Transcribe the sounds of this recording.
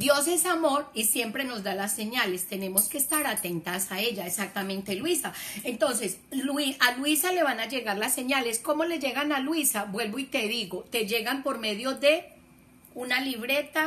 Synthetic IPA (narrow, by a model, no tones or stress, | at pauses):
d̪̥jo̞se̞samo̞ɾisje̞mpɾe̞no̞zd̪alasːe̞ɲale̞st̪e̞ne̞mo̞ske̞ːst̪aɾat̪e̞nt̪asae̞ʝaesak̚t̪amẽ̞nt̪e̞lwisaent̪o̞ns̬e̞s | lialwisale̞βanad͡ʒe̞ɣaɾlasːe̞ɲale̞sko̞mo̞le̞ʝe̞ɣanalwisabwe̞lboit̪e̞ðiɣo̞t̪e̞ʝe̞ɣampo̞ɾme̞ðjo̞ðe̞ | unaliβɾe̞t̪a